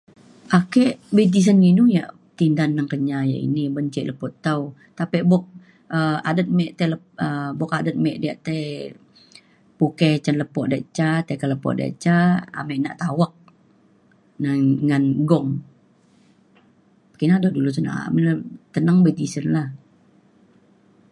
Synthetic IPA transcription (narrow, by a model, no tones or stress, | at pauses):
ʔakɛʔbet̪̬is̬ənːinuja̰ʔ | t̪indanːəŋkəɲaja̰ḭnibəɲt͡ʃɛʔləpɔʔt̪awt̪apɛʔbɔk̚ | əa̰dət̪̚mɛʔt̪ɛlə | əbɔkadət̪̚mɛʔdijaʔt̪aj | puket͡ʃənləpɔʔdeʔt͡ʃat̪ekələpɔ̰ʔdḛʔt͡ʃaa̰mɛʔna̰ʔt̪awak̚ | naŋanɡɔŋ | pə̥kinadadulut̪əna̰məlat̪ənaŋbet̪isənlah